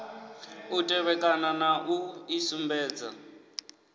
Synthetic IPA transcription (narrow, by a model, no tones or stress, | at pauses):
utʼɛβɛkʼananaʔuisumbɛːd͡za̰